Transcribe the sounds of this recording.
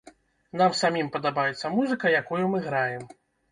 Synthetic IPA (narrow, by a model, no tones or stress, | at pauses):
namsamʲimpɐd̪abajɛt̪sːɐmuzɨkɐjakujumɨɣɾajɛm